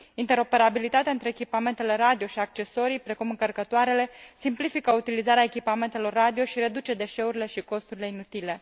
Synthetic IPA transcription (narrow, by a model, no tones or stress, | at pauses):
int̪e̞ɾo̞pe̞ɾabilit̪at̪eaɨnt̪ɾeekʲipame̞nt̪e̞le̞ɾad̪io̞ʃiak̚t͡ʃe̞so̞ɾijpɾe̞kumɨŋkərkət̪oaɾe̞le̞simplifikəut̪ilizaɾeaekʲipame̞nt̪e̞lo̞rːad̪io̞ʃiɾe̞d̪ut͡ʃe̞d̪e̞ʃe̞uɾile̞ʃiko̞st̪uɾile̞inut̪ile̞